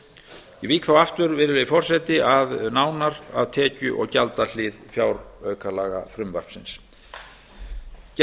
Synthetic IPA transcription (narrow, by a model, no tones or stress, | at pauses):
iviːkθawaft̪ʏɾvɪɾʏlɪfɔr̥sɛt̪ɪʔaðnaːwnaɾa̰vt̪ʰɛːcʏʔɔ̰ɣcalt̪al̥ɪðfjawɾœːɥkʰalaːɣa̰fɾʏmvar̥psɪns